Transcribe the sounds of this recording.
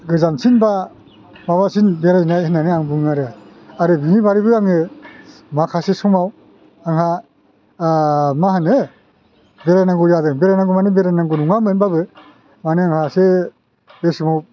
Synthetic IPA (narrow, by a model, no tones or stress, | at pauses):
ɡɯzamsinba | maβasinbeɾajnaenːanɯaŋbɯŋaɾɯ | aɾɯbinibaɾibɯaŋɯ | makʰasesɔŋmaw | aŋɦha | maɦanɯ | beɾanaŋɡujadɯŋbeɾanaŋɡumanɯbeɾanaŋɡunuŋamɯnbabɯ | manɯaŋhase | besɯmaw